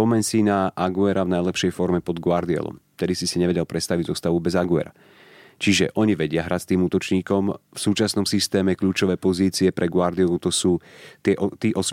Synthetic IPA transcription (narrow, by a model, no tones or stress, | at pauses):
pɔmɛɲsinaʔaɡuɛɾʔavnajlɛpʃɛjfɔɾmɛpɔd̪ɡʊaɾd̪iɛ̰lˠɔ̰mft̪ɛd̪isisiɲɛʋɛɟɛlpɾɛst̪aʋiɟzɔst̪aʋubɛzaɡuɛ̰ɾa̰ | t͡ʃiʒɛʔɔɲiʋɛɟɪaɦɾʔat͡st̪iːmuːt̪ɔt͡ʃɲiːkɔmfsuːt͡ʃasnɔmsist̪ɛːmɛkʎuːt͡ʃɔʋɛːpɔziːt͡siɛpɾʔɛɡʊaɾd̪iɔlut̪ɔsuːt̪ɪɛʔɔt̪iːʔɔs